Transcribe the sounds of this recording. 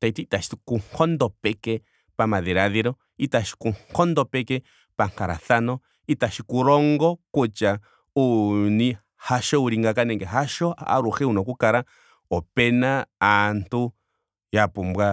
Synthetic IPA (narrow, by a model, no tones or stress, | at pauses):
t̪ait̪it̪aʃi̥t̪u̥kuŋkʰond̪opeke | pamaðeɾaðeɾo | it̪aʃi̥kuŋkond̪opeke | paŋ̥kaɾa̰θanõ | it̪aʃikuɾoŋɡokut͡ʃa | unĩ | haʃouɾiŋɡakanẽŋkeɦaʃoaʔa̰ɾuxeunõkʷukaɾa | openãant̪u | japumbwa